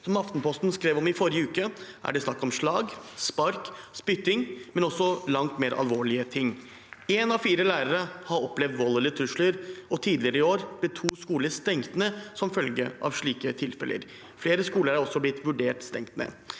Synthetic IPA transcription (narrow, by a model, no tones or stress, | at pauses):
sɔmɑft̪npʰɔst̪n̩skɾeːʋɔmɪfɔɾɪəʉːkəʔæ̰ɖɛsnɑkːɔmʂɭɑːɡspɑɾkspʏt̪ːɪŋmɛnɔsːɔlɑŋt̪meːɾʔɑ̰lʋoːɭɪət̪ʰɪŋː | ɛːnɑʋfiːɾəlæːɾəɾəhɑɾɔplɛʋd̪ʋɔlːəlɪt̪ʰɾʉʂləɾɔt̪ʰiːd̪lɪəɾəɪoːɾb̥lɛt̪ʰuːskuːləst̪ɛŋt̪ənəsɔmfœlɡə̰ʔɑ̰ʋʂɭiːkət̪ʰɪlfɛ̰lʔə̰ɾ | fleːɾəskuːləɾɾɔsːɔblɪt̪ːʋʉɖeːʈst̪ɛŋt̪nḛː